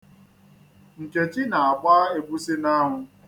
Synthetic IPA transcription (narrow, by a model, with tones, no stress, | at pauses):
n̩˨t͡ʃe˨t͡ʃi˦na˨a˨kʷa˦e˨bu˦si˦na˦ɦʊ˨